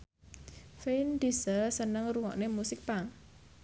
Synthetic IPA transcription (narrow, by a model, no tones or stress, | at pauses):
fend̪isəsənəŋruwɔʔnemusɪk̚paŋ